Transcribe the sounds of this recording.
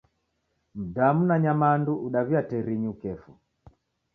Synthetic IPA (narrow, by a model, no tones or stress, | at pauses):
m̩damunaɲamanduuɗaβiatɛɾiɲiukɛfu